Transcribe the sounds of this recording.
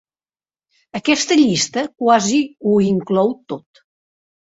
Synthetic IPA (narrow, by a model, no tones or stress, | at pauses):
əkɛst̪əʎist̪əkwaziuiŋklɔwt̪ot̪